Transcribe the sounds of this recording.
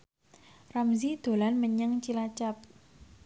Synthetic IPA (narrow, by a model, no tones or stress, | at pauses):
ramzid̪̥o̤lanməɲəŋt͡ʃilat͡ʃap̚